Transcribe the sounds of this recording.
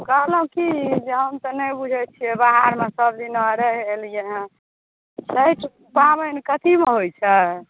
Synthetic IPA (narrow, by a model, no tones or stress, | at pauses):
kəɦlɦũkid͡ʒeɦəmt̪ənəbud͡ʒʱɛt͡ʃʰiɛbaɦaɾmesəb̚d̪inməɾəɦːlijeɦɛ̃ | sʰəjʈʰ | paβənkət̪ʰimeɦojt͡ʃʰɛ